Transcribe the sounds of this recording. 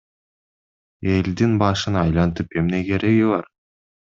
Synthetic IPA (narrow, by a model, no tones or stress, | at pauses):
e̞ld̪inbɑʃɯnɑjlˠɑnt̪ɯpe̞mne̞ke̞ɾe̞ɡiβɑɾ